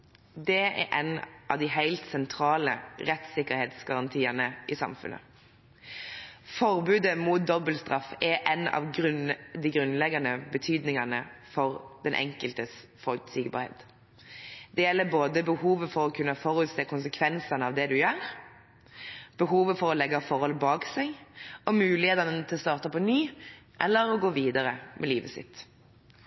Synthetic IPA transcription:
d̪ɛɛ̰ɾʔɛnʔɑ̰ʋd̪ɪɦæɪlt̪sɛnt̪ʰɾɑːlə̰ʁɛt̪sɪkːəɾheːt̪sɡɑɾɑnt̪ʰiːənəʔɪsɑ̰mfʉ̰nʔə̰ | fɔɾbʉːd̪əmʊt̪̚d̪ɔbəlst̪ʁɑfɛɾʔɛnɑ̰ʋʁʉnd̪ɪɡɾʉnlɛɡɑnəbət̪ʰyːd̪nɪŋɑnəfɔʁd̪̥ɛnʔɛ̰ŋkəlt̪əs | fɔlt̪sɪɡbɑ̰ɾhḛːt̪ | d̪ɛjɛlːəɾboːd̪əbəhuːʋəfɔɾɔkʰʉnːəfɔɾʉt̪seːkʊnsəkʰʋɛnsɑnəɑʋd̪ɛd̪ʉjøːɾ | b̥əɦuːʋəfɔɾɔlɛɡɑfɔɾhɔlbɑːksɛɡɔmʉːlɪheːt̪ɑnənət̪ʰɪlɔst̪ɑːʁt̪ɑpɔnyːʔɛlːəɾɔɡoːʋiːd̪ɑɾəmʔɛliːʋəsɪ̰t̪

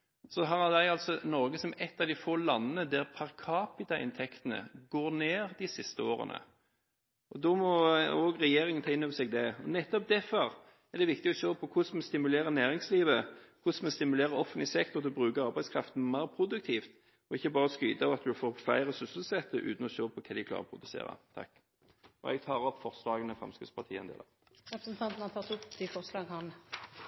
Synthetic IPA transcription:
sɔɦɑɾhɑd̪æɪɑlsɔnɔɾɡəsɔmɛt̪ːɑʋd̪ɪfoːlɑnːənəd̪æɾpʰɑɾkʰɑːpɪt̪ɑʔɪ̰nt̪ʰɛkt̪ənə̰ɡoːɾneːɾd̪ɪsɪst̪əo̰ːɾə̰nə̰ | ʔɔd̪ɔmɔɔɡɾɛjeːɾɪŋənt̪ʰɑːɪnøbəsɛɡd̪ɛɔnɛt̪ːɔp̚d̪ɛfɔɾ | ɛd̪ɛʋɪkt̪ɪɔʃøːpʰɔkʰʊsmɛst̪ɪmʉleːɾənæːɾɪŋsliːʋəkʰʊsmɛst̪ɪmʉleːɾəɾɔfənt̪lɪsɛkt̪ɔɾt̪ʰɪlɔbʁʉːkəʁɑɾbæɪskʰɾɑft̪n̩mæɪɾpʰɾʊd̪ʉk̚t̪ʰiːft̪ | ɔɪçːəbɑːɾəɔskyːt̪əɑʋɑt̪̚d̪ʉfoːflæ̰ɪɾəsʏsəlsɛt̪ːəʔʉ̰ːt̪n̩ɔɕøːpʰɔkʰɑd̪ɪkʰlɑ̰ʁɔpʰɾʊd̪ʉsḛːɾɑ̰t̪ʰɑ̰kː | ɔ̰ɛ̰ɡ̚t̪ʰɑːɾɔpːfɔɾslɑːɡənəfɾʁɑ̰mskʉːt̪spʰɑt̪ʰiːɛnd̪ḛːd̪ɑ̰ | ɾɛpsɛnt̪ʰɑnt̪n̩ɑt̪ʰɑt̪ʰut̪ʰifɔɾslɑːɡhɑn

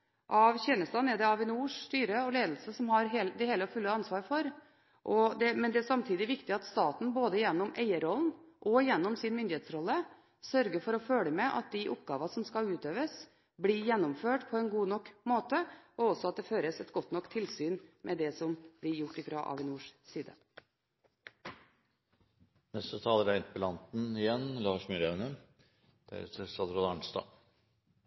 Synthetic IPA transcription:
ʔɑʋçɛnəst̪ɑnɛɾd̪ɛɑʋɪnuːʂst̪yːɾəɔleːd̪lsəsɔmhɑɾɦeːld̪ɛheːləfʉlːəɑnsʋɑːɾfɔɾ | ʔɔd̪ɛmɛnd̪ɛæsɑmt̪ʰiːd̪ɪʋɪkt̪ɪɑt̪st̪ɑːt̪n̩boːd̪əɪjɛnːɔmæɪəɾɔlnʔɔɪjɛnːɔmsɪnmʏnd̪ɪheːt̪sɾɔlːə | sœɾɡəɾfɔɾɔføːləmɛʔɑ̰t̪̚d̪ɪʔʊpɡɑːʋɑsɔmskɑlʉːt̪øːʋəs | bɽiːjɛnːɔmføːʈpʰɔɛnɡuːnɔkːmoːt̪əɔɔsɔɑt̪̚d̪ɛføːɾəsɛt̪ɡɔt̪ːnɔkːt̪ʰɪlsyːnmʔɛd̪ɛsɔmblɪɾjʊʈːɪfɾɑ̰ʔɑ̰ʋɪnuːʂsiːd̪ə̰ | nɛst̪ət̪ʰɑːləɾæɪnt̪̚pʰɔlɑnt̪n̩ɪjɛnlɑːʂmyɾænə | d̪̥æ̰ɾʉ̰ːt̪ʰəsɑd̪ɾɔd̪ɑɳst̪ɑ̰ː

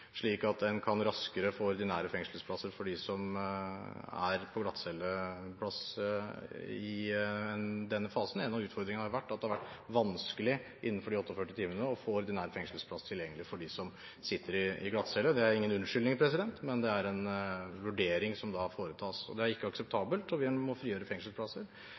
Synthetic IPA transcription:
ʂɭiːkɑt̪̚d̪ɛnkʰɑnɾɑskəɾəfoːɔɾd̪ɪnæːɾəfɛŋʂlspʰlɑsəɾfɔɖɪsɔm | æ̰ɾpʰɔɡlɑt̪ːsɛlːəpʰlɑs | ɪɛnd̪ɛnːəfɑːsn̩ɛnːɑʋʉːt̪fɔɾd̪ɾɪŋənhɑɾʊʋæʈːɑt̪d̪ɛhɑɾʋæʈːʋɑnskəlɪʔɪnːənfɔɖɪɔt̪ːɔfœʈːɪt̪ʰiːmənəɔfoːɔɾd̪ɪnæːɾfɛŋʂəlspʰlɑst̪ʰɪljɛŋːəlɪfɔɖɪsɔm | sɪt̪ʰːəɾɪɪɡlɑt̪sɛlːəd̪ɛæɾɪŋːənʉnʂʏlɪŋpʰɾɛsɪd̪ɛnt̪mɛnd̪ɛæɾɛnʋʉɖeːɾɪŋsɔmd̪ɑfoːɾət̪ʰɑːsɔ̰d̪ɛæɾɪkːəɑksəp̚t̪ʰɑːbəlt̪ɔʋɪmɔfɾiːøːɾəfɛŋʂl̩spʰlɑsːəɾ

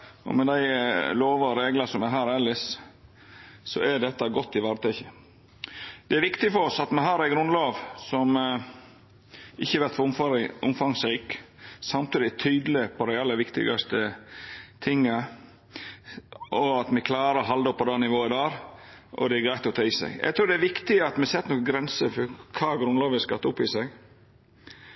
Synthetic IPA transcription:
ʔɔ̰mɛd̪æɪloːʋɑɔɾeːɡlɑsɔmɛɦæːɾɛlːəs | sɔ̰ɛɖ̪ɛt̪ːɑɡɔt̪ːɪʋæɾt̪ʰœçə | d̪ɛæɾʋɪkt̪ɪfɔɾɔsɑt̪mɛɦɑːɾæɪɡɾʉnloːʋsɔm | ʔɪçːəɛɾʋæɾt̪fɔʊmʊmfɑŋsɾiːksɑmt̪iːd̪ɪt̪ʰyːd̪əlɪpʰɔd̪ɛɑlːəʋɪkt̪ɪ̰ɡɑst̪ə | t̪ʰɪŋːə | ʔɔɑt̪mɛkʰlɑːɾəɔɦɑld̪ɔpːɔd̪ɑːnɪʋoːɪd̪ɑːɾʔɔ̰d̪ɛæɾɡɾæɪt̪ɔt̪ʰœʏsæ̰ɡɛ̰ɡt̪ʰɾʉːɾd̪ɛæɾʋɪkt̪ɪɑt̪mɛsɛt̪ːnoːkəɡɾɛnsəfɔkʰɑːɡɾʉnloːʋəskɑt̪ːʊpːɪsɛɡ

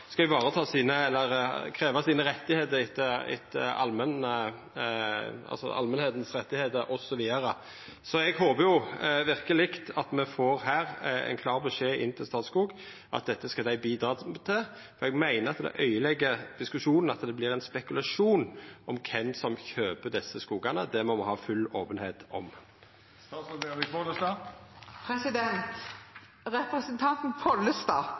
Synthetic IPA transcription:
skɑɛʋɑːɾət̪ʰɑːsiːnəɛlːəʁkʰɾeːʋɑsiːnəɾɛt̪ːɪheːt̪əɾɪt̪ːəɪ̰t̪ʰːəɑ̰lmɛnə | ɑ̰lsɔ̰ɑ̰lmɛnheːt̪nsʁɛt̪ːɪheːt̪əɾʔɔsɔʋiːɑɾə | sɔɛɡhoːbəjʊʋɪʁkəlɪkt̪ɑt̪mɛfoːʁhæːɾɛ̰ɪnkʰlɑːʁbəʃeːʔɪ̰nːt̪ʰɪlst̪ɑːt̪skuːɡ | ʔɑ̰t̪̚d̪ɛt̪ːəskɑd̪æɪbiːd̪ɾɑːt̪ʰɪd̪ | fɔɾɛɡmæɪnəɾɑt̪d̪ɛ̰ʔœʏəlɛɡːəʁd̪̥ɪskʉʃuːnn̩ɑt̪d̪ɛblɪːɾʁɛɪnspɛkʉlɑʂuːnʔɔmkʰɛnsɔmçøːpəd̪ɛsːəskuːɡɑnəd̪ɛmɔmɛhɑːfʉloːpənheːt̪ɔ̰m | st̪ɑːsɔɛɪpʰɔləst̪ɑːpʰɾɛsɪd̪ɛnt̪ | ɾɛpɾɛsənt̪ʰɑnt̪n̩pʰɔlːəst̪ɑː

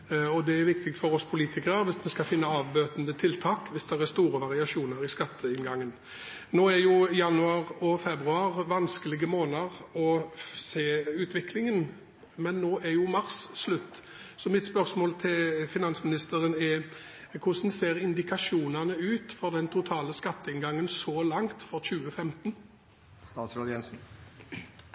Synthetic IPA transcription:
ɔd̪ɛæɾʋɪkt̪ɪk̚t̪fɔɾɔspʰʊliːt̪ʰɪkəʁəʋɪsmɛskɑfɪnːəɑːʋbøːt̪nd̪ət̪ʰɪlt̪ʰɑːkʋɪsd̪ɛʁæst̪uːɾəʋɑʁɪɑʂuːnəɾɪskɑt̪ʰːəɪnɡɑŋːən | noːɛɾjʊjɑnːʉɑːʁɔfɛbɾʉɑːɾʋɑnskəlɪɡəmoːnəʁɔseːʉːt̪ʰʋɪklɪŋən | mɛnːoːʔɛʁjʊmɑʁsːlʉt̪ː | sɔmɪt̪spœʁsmoːlt̪ʰɪlfɪnɑnsmɪnɪst̪əʁənɛ | kʰʊsnseːʁɪnd̪ɪkʰɑʂuːnɑnəʉːt̪fɔʁd̪ɛnt̪ʰʊt̪ʰɑːləskɑt̪ːəɪnɡɑŋːənsɔlɑŋt̪fɔʁçʉːəfɛmt̪n | st̪ɑːt̪sɑd̪jɛnsn̩

